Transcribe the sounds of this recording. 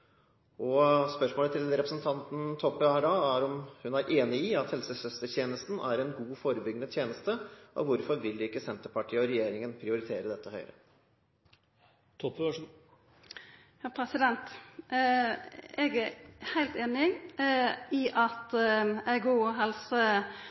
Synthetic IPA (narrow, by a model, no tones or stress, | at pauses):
ɔspœʂmoːlət̪ʰɪlɾɛpɾəsn̩t̪ʰɑnt̪n̩t̪ʰɔpːəɑɖɑːæɾɔmhʉnæɾʔeːnɪiɑt̪hɛlsəsœst̪ət̪ʰjeːnəst̪n̩ʔæɾɛnɡuːfoːɾəbʏɡnəd̪t̪ʰjeːnəst̪əʔɔ̰ʋʊɾfɔɾʋɪld̪ɪɪkːəsɛnt̪əɾpʰɑʈʰiːəɔɾɛjeːɾɪŋənpʰɾɪʊɾɪt̪ʰeːɾəd̪ɛt̪ːəhœʏɾə | t̪ʰɔp | jɑːpʰɾɛsɪd̪ɛnt̪ | ɛɡæɾhæɪlt̪eːnɪ | iʔɑt̪æɪɡuːɦɛlsə